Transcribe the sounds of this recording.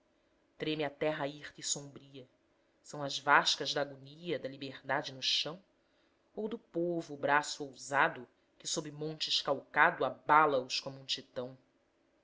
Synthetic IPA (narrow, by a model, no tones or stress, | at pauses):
t̪ɾẽmɪɐt̪ɛɦɐiχt̪ɐisõbɾiɐ | sɐ̃w̃ɐzvaʃkɐʒd̪aɡoniɐd̪ɐlibehd̪ad͡ʒɪnʊʃɐ̃w̃ | owd̪ʊpovʊːbɾasʊowzad̪ʊ | kɪsobɾɪmõnt͡ʃɪʃkawkad̪ʊabalɐʊʃkõmũt͡ʃit̪ɐ̃w̃